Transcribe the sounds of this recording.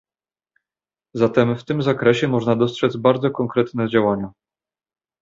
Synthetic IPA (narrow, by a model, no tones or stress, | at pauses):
zat̪ɛmft̪ɘmzakɾɛɕɛmɔʐnad̪ɔstʂɛd̪zbaɾd̪zɔkɔŋkɾɛt̪nɛd͡ʑawaɲa